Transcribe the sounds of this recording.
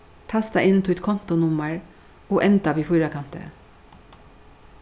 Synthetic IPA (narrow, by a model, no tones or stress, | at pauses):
t̪ʰɑst̪ɑʔɪnt̪ʰʊɛt̪kʰɔnt̪ʊnʊməɹ | oːʔɛnt̪ɑbiːfʊːɾɑkʰɑnt̪ə̰